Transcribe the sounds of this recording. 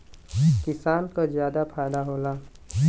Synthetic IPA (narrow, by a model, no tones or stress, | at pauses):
kɪsaːnkazjaːd̪apʰaːjd̪aɦoːlaː